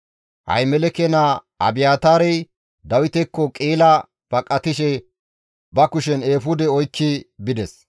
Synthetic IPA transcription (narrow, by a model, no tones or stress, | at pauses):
hɐ̰jmɛlɛkɛnaʔɐ̰bɪjaːt̪aːɾɛj | d̪ɐwɪt̪ɛkːɔkʼiːlɐ | b̥ɐkʼːɐt̪ɪʃɛ | bɐkʊʃɛneːfʊd̪ɛɔjkːɪbɪd̪ɛs